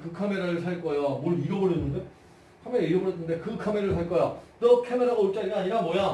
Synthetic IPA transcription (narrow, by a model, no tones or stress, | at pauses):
kɯkʰame̞ɾaɾɯɭsʰaɭk͈ʌjomoɭiɾʌbɯɭɦenːɯnde̞ | kʰameɾaiɾʌbɯɦenʰːɯnde̞kɯkʰameɾaɯɭs̬ʰaɭk͈ʌjatʌkʰemeɾaɡauɭt͡ɕ͈aɾiaɲiɾamwʌja